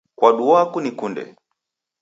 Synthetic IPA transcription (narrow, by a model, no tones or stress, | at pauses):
kwaɗuwakunikundɛ̰